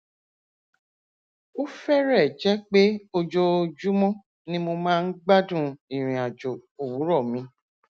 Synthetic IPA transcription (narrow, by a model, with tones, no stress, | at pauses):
o˦fɛ˦ɾɛ˦˨d͡ʒɛ˦k͡pe˦o˧d͡ʒo˧d͡ʒu˦mɔ̃˦ | nĩ˦mo˧mãː˦˧n̩˦ɡ͡ba˦dũ˦ĩ˨ɾ̃ĩ˨a˨d͡ʒo˨o˨wu˨˦ɾɔ˦˨mĩ˧˦